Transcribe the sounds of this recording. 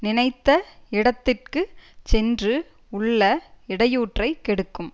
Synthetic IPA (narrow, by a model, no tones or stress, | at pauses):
nɪnɐɪt̪ːɐɪɽɐt̪ːɪrkɯt͡ʃɛndrɯ | ʊɭːɐɪɽɐjuːʈrɐɪkɛɽɯkːɯm